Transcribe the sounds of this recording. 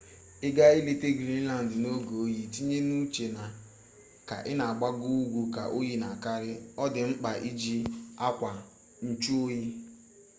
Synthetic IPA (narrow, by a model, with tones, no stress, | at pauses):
ɪ˦ɡa˦i˦le˦te˦ɡɾi˦n̩˦la˨n̩˨dɪ˨no˦ɡo˨o˦ji˨ti˦ɲe˦nu˦t͡ʃe˨na˨ | ka̰˨ʔɪ˦na˨a˨ɡ͡ba˦ɡu˦u˦ɡʷu˨ka̰˨ʔo˦ji˦na˨ka˦ɾɪ˦ɔ˦dɪ˨ŋ͡m̩˦k͡pa˨ʔi˦d͡ʒi˦a˦kʷa˨ | n̩˦t͡ʃu˦o˦ji˦